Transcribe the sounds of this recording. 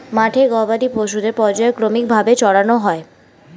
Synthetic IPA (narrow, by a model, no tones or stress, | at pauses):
maʈʰeɡɔbad̪ipoʃ̬ud̪eɾpɔɾd͡ʑaekɾomik̚bʱabet͡ɕɔɽanoɦɔe